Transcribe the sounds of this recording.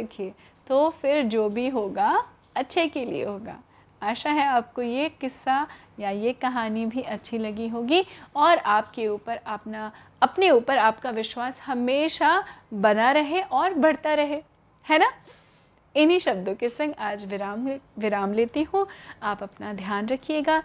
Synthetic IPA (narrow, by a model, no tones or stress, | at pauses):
kʰie | t̪oːfɪɾd͡ʒoːbʱiɦoːɡa | ɐtːʃʰekelḭḛɦoːɡa̰ː | aːʃaɦɛaːp̚kojekɪsːa | jajekɐɦaːnibʱiʔɐtːʃʰilɐɡiɦoːɡiɔːɾaːp̚keuːpəɾɐpna | ɐpneuːpəɾaːp̚kaʋɪʃwaːshɐmeːʃabɐnaɾɐɦeʔɔːɾbɐɽt̪aɾɐɦe | hɛːna | ɪnɦiʃɐb̚d̪okesɐ̃ŋɡaːd͡ʒʋɪɾaːmʋɪɾaːmleːt̪iɦũaːpɐpnad̪ʱjaːnɾɐkʰijeːɡaː